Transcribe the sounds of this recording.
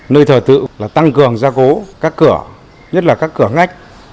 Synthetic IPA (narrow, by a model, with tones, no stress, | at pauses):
nəː˧jt̪ʰəː˧˩t̪ɨ̰˧˨laː˨˩t̪a˧ŋkɨ˨˩əŋzaː˧ko˨˦kaː˦˥kːɨ˧˩ə | ɲə˦˥t̚laː˨˩kaː˦˥kːɨ˧˩əŋa˦˥jk̟̚